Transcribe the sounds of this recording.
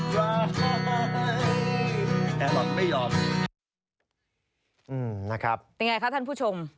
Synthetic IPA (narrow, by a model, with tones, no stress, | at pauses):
waː˧˩a˧˩na˥˧˩a˥˧ | t̪ɛː˨˩laː˧˩kma˥˩jɔː˧m | ʔɯː˧˩mna˦˥˩kʰɾa˦˥p̚jŋa˧jkʰa˦˥pt̪ʰa˥˩pʰuː˥˩t͡ɕʰo˧m